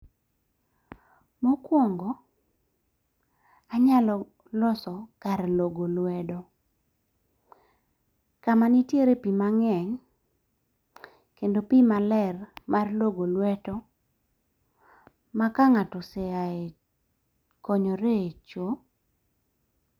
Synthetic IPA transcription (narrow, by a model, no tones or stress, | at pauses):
mokwoŋɡɔ | aɲalɔ | lɔsɔkaɾloɡolwɛdɔ | kamanitjeɾepimaŋɛŋ | kendopimalɛrmarloɡolwɛtɔ | makaŋatɔseae | kɔɲɔɾet͡ʃo